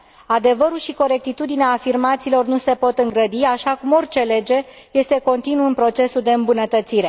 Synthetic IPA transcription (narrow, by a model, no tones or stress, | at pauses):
ad̪e̞vəɾulʃiko̞ɾe̞k̚t̪it̪ud̪ineaːfirmat̪siːlo̞rnuse̞po̞t̪ɨŋɡɾəd̪iaʃakumo̞rʲt͡ʃe̞le̞d͡ʒe̞ | je̞st̪e̞ko̞nt̪inuɨnpɾo̞t͡ʃe̞suld̪e̞ɨmbunət̪ət̪siɾe̞